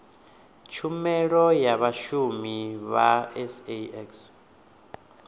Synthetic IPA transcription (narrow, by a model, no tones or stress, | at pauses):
t͡ʃʰumɛɺɔjaβaʃumiβa̰ɛsɛɛks